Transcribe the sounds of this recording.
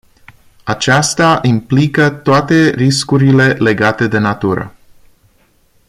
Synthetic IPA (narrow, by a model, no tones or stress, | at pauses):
at͡ʃast̪aʔimplikət̪oat̪e̞ɾiskuɾile̞le̞ɡat̪e̞d̪e̞nat̪uɾə̰